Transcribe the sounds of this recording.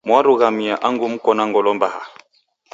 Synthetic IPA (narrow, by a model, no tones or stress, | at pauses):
mwaɾuɣamiaʔaŋɡum̩kɔnaŋɡɔlɔmbaha̰